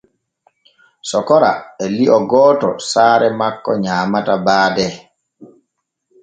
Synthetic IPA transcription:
sɔkɔɾa̰ɛliʔɔɡɔːtɔsaːɾɛmakːɔɲaːmatabaːdɛ

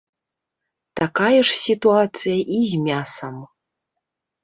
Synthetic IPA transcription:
t̪akajɛʂsʲit̪uat̪t͡s̪ɨjɐʔizʲmʲasɐm

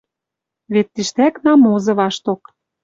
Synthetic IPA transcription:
βet̪ːiʃt̪æknɑmozɤ̆βɑʃt̪ok

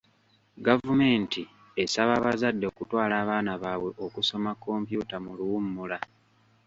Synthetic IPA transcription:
ɡavume̞ːnti | esaβaβazadːe̞ːkutwaːlaːβaːnaβaːwe̞ʔo̞kuso̞makːo̞ːmpjuːtamuluwumːula

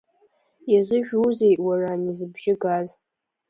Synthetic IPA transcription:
jaʒʷɪʒᶣuzejʔwaranizɨbʒɪɡaz

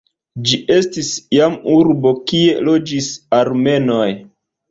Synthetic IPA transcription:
d͡ʒiʔe̞stisjamuɾbo̞kie̞lo̞d͡ʒisaɾme̞no̞j

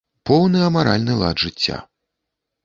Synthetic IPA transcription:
pɔwnɨɐmaɾa̰lʲnɨlˠa̰d̪ʐɨt͡sʲːa̰

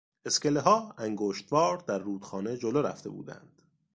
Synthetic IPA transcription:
e̞skeleɦɒːæŋɡoːʃt̪vɒːɾd̪æɾːuːd̪̥xɒːne̞d͡ʒoloɾæ̰ft̪e̞̰bṵːd̪æ̰nd̪̥

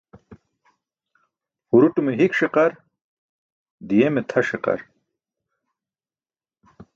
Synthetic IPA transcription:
huɾuʈumeɦikʂiqɐɾ | d̪ijemet̪ʰɐʂiqɐ̰ɾ

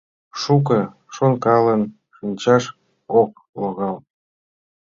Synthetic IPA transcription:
ʃuk̬ɤ̆ | ʃonkɑlən | ʃɯnʲt͡ɕɑʃ | ok̚ | loɣɑl

